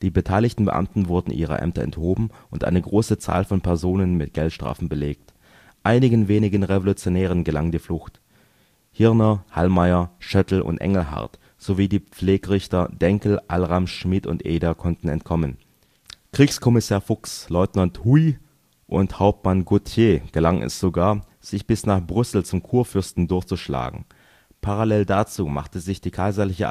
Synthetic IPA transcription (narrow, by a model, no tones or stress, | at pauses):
d̥iːbətʰaɪlɪçtn̩bə̰ʔa̰mtn̩vʊɐdn̩ʔḭːʁ̞ɐ̰ʔɛ̰mtɐ̰ɛ̰nthoːbm̩ʊntʔa̰ɪnəɡʁoːsət͡sa̰ːlfɔnpʰɛɐzoːnənmɪtɡ̥ɛltʃtʁ̥a̰ːfn̩bəleːk̚t | ʔaɪnɪɡən̩veːnɪɡənʁevolut͡sjonɛːʁ̞ənɡəlaŋndiːflʊxt | hɪɐnɐha̰lmaɪɐʃœtl̩ʔʊ̰ntʔɛ̰ŋl̩ɦa̰ɐt | z̥oviːdiːp͡fleːɡəʁɪçtɐdɛŋkl̩ʔalʁamʃmɪtʊ̰ntʔeːdɐkʰɔntn̩ɛ̰ntkʰɔmən | kʁ̥iːkskʰɔmɪsaːɐfʊkslɔʏtnanthui | ʔʊ̰nthaʊp̚tmanɡutʰjeːɡ̥əlaŋʔɛ̰sz̥oɡaːɐ | z̥ɪçb̥ɪsnaːχb̥ʁʏsl̩t͡sʊmkʰuːɐfʏɐstn̩dʊɐçt͡suʃla̰ːɡŋ̩ | pʰaʁalɛldat͡suːma̰χtəzɪçd̥iːkʰaɪzɐlɪçə